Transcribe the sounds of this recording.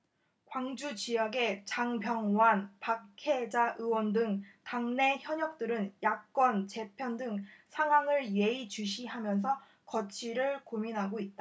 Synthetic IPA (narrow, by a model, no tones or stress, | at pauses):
kwaŋd͡ʑut͡ɕijʌɡe̞t͡ɕaŋpʰjʌŋwanpakkʰe̞d͡ʑaʔɯwʌndɯŋtaŋne̞çjʌɲʌk̚t͈ɯɾɯnjak̚k͈ʌnt͡ɕe̞pʰjʌndɯŋsʰaŋwaŋɯɭje̞it͡ɕuɕ̬ʰiɦamjʌns̬ʰʌ | kʌt͡ɕʰiɾɯɭkominɦaɡoit̚t͈a